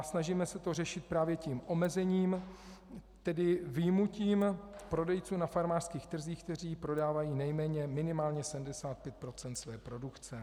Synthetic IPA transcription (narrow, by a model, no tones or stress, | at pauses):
snaʒiːmɛsɛt̪o̞r̝ɛʃɪt̪̚pɾaːvjɛciːmʔo̞mɛzɛɲiːm | t̪ɛdɪvɪjmuciːmpɾo̞dɛjt͡suːnafaɾmaːr̥skiːxt̪r̩ziːxkt̪ɛr̝iːpɾo̞daːvajiːnɛjmɛːɲɛmɪnɪmaːlɲɛsɛmdɛsaːt̪̚pjɛt̪̚pɾo̞t͡sɛnt̪svɛːpɾo̞dukt͡sɛ